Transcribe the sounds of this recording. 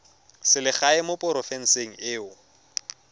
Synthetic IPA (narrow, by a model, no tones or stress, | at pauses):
sɪlɪχaɪmopʼʊɾɔfɛn̩seŋ̩ɪːʊ